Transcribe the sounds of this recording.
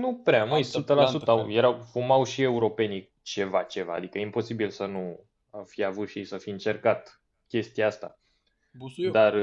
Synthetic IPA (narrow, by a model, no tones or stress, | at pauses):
nupɾeaməjsut̪əlasut̪əawje̞ɾawfumawʃie̞uɾo̞pe̞ni | t͡ʃe̞vat͡ʃe̞va̰ːd̪ikəjeimpo̞sibilsənu | afijavut̪ʃiesəfiɨnt͡ʃe̞rkat̪ | kʲe̞st̪ijaast̪a̰ | d̪ar